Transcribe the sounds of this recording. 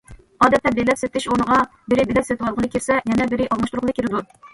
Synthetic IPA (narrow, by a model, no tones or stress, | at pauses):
ɑːd̪ɛt̪lɛp̚b̪elɛpset̪ʰːɪʃonəʁɑ | bɪɾɪbelɛpset̪ʰɨwɑlˠʁəlˠɨkʲʰɪɾsɛjɛnɛbɪɾɪʔɑlˠmɑʃt̪uɾʊqlˠɨkʰʲiɾɪd̪u